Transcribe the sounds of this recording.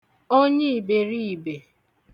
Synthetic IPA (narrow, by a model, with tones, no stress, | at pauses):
o˦ɲe˦i˨be˨ɾi˦i˨be˨